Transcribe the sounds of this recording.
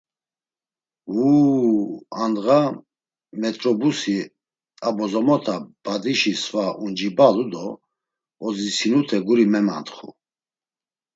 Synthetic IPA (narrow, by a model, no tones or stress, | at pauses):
huː | and̪ʁa | mɛt̪ʼɾɔbusi | abɔzɔmɔt̪ʰab̥ad̪iʃisvaʔund͡ʒibalud̪ɔ | ɔd͡zisinut̪ʰɛɡuɾimɛma̰nt̪χṵ